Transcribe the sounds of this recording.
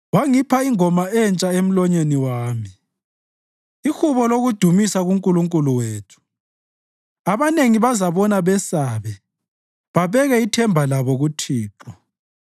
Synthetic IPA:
waŋipʰaiŋɔmaɛnt͡ʃʼaem̩lɔɲeniwaːmi | ixuβɔloɣud̥ʱumisaɣuŋkʼuluŋkʼuluweːtʰu̥ | aβaneŋiβazaβɔnaβɛsaːβɛ | βaβɛɣɛitʰɛmbʱalaβɔɣutʰiːǁɔ

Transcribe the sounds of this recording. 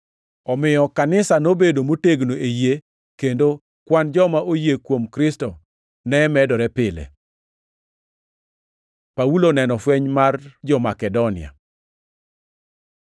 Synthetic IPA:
ɔmɪjɔkanɪsanobedomoteɡnoeje | kendo | kwand͡ʒɔmaʔojekwomkɾɪstɔ | nɛmɛdɔɾɛpɪlḛ | paulonɛnɔfweɲmard͡ʒɔmakɛdɔnɪa̰

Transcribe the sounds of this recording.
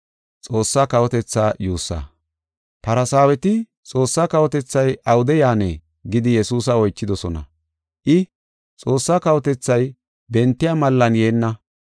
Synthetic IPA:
t͡sʼo̞ːsːaːkɐwɔt̪ɛt͡sːaːjuːsːa̰ː | pɐɾɐsaːwɛt̪ɪ | t͡sʼo̞ːsːaːkɐwɔt̪ɛt͡sːɐjʔɐwʊd̪ɛjaːnḛː | ɡɪd̪ɪjɛsuːs̬ɐɔjt͡ʃːɪd̪ɔsɔnɐ̰ | ʔɪ | t͡sʼo̞ːsːaːkɐwɔt̪ɛt͡sːɐj | bɛnt̪ːɪjamɐlːɐnje̞ːnːɐ

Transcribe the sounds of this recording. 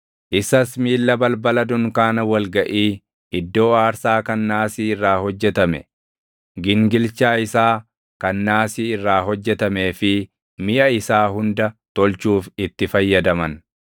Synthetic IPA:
ʔɪsɐsmiːlːɐbɐlbɐlɐd̪ʊŋkaːnɐwɐlɡɐʔiː | ɪd̪ːo̞ːaːɾsaːkɐnːaːsiːɪrːaːhɔd͡ʒːɛt̪ɐmɛ̰ | ɡɪŋɡɪlt͡ʃaːɪsaː | kɐnːaːsiːɪrːaːɦɔd͡ʒːɛt̪ɐme̞ːfɪ | mɪʔɐɪsaːhʊnd̪ɐt̪ɔlt͡ʃuːfɪt̪ːɪfɐjːɐd̪ɐmɐn

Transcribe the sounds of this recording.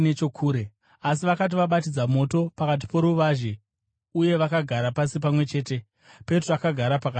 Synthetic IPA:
net͡ʃo̞kʰuːɾe | as̬iʋakat̬iʋaɓat̬id͡zamo̞to̞pakat̬i̥po̞ɾuʋaʒe | uje̞ʋakaɡʱaɾapasip̬amwe̞t͡ʃe̞ːte̞ | pe̞troakaɡʱaɾapaka

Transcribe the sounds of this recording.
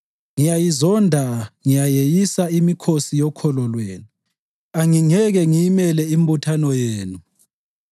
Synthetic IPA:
ŋijajizɔndʱaŋijajejisaimikʰosijɔkʰɔlɔlweːnu | aŋiŋɛɣɛŋijimɛlɛim̩butʰanɔjeːnu

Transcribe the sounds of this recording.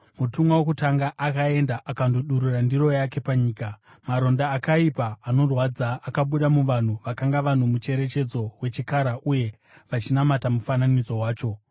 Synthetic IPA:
mutumwawekutaŋɡaʔakae̞ndaʔakandoɗuɾurandiro̞jake̞paɲiːka | maɾo̞ndaːkaipaːno̞rwad͡zaːkaɓuɗamuʋan̤uʋakaŋɡaʋan̤umut͡ʃe̞ɾe̞t͡ʃe̞d͡zo̞we̞t͡ʃikaɾaʔuje̞ | ʋat͡ʃinamatamufananid͡zo̞waːt͡ʃo̞

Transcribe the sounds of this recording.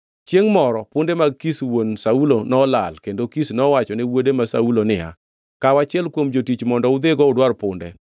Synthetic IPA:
t͡ʃjeŋmɔɾɔpʊndemaɡkiswonsaulonɔlalkendokisnɔwat͡ʃɔnɪwodemasaulonɪa̰ | kawat͡ʃɪɛlkwomd͡ʒotit͡ʃmɔndɔʊd̪eɡɔʊdwarpʊndɛ

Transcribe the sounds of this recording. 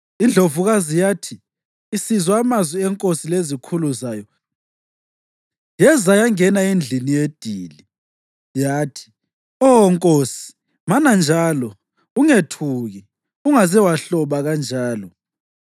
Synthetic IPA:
ind͡ɮʱovuɣazijaːtʰiː | sizwamazwiɛŋkʼosilezikʰuluzaːjɔ | jɛzajaŋɛnaind͡ɮʱinijed̥ʱiːli | jaːtʰi̥ | ɔŋkʼoːsi̥ | manand͡ʒʱaːlɔ | uŋetʰuɣi | uŋazɛwaɬɔβaɣand͡ʒʱaːlɔ

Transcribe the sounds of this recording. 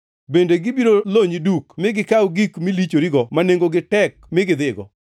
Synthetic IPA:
bendeɡɪbiɾoloɲidukmɪɡɪkawɡikmilit͡ʃoɾiɡɔmaneŋɡoɡɪtɛk̚mɪɡɪd̪ɪɡɔ̰

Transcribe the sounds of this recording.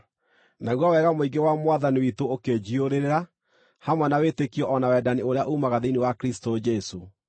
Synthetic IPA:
naɣwawɛɣamoiɡewamwaðaniwitooked͡ʑioɾeɾeɾa | hamwɛnawetekiɔʔɔnawɛdanioɾeaʔuːmaɣaðeiniwakɾistod͡ʒɛso

